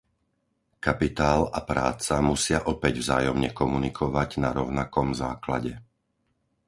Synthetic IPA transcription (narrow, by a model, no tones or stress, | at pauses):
kapit̪aːlapɾa̰ːt͡samusɪaʔɔpɛɟvzaːjɔmɲɛkɔmunikʰɔʋaɟnaɾɔʊnakɔmzaːkla̰ɟɛ